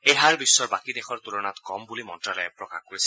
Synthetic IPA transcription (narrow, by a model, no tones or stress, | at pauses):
ejɦaɹbisːɔɹbakid̪exʰɔɹt̪ulɔnat̪kɔmbulimɔntɾalɔepɹɔkaxkoɹisʰi